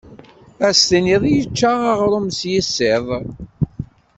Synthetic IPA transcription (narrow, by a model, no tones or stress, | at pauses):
æst̪əniðˤjət͡ʃːaʁaʁɾˤumsjəsːeðˤ